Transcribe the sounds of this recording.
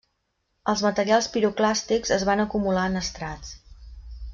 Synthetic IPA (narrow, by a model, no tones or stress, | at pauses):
əlˠzmət̪əɾialˠspiɾuklast̪ikzəzβanəkumulaənəst̪ɾat͡s